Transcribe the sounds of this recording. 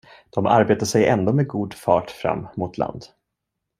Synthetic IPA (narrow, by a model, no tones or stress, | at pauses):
d̪̥ɔmaɾbeːt̪aʂɛjɛnd̪oːmɛɡuːd̪fɑːʈfɾa̰mːmʊt̪ʰla̰nd̪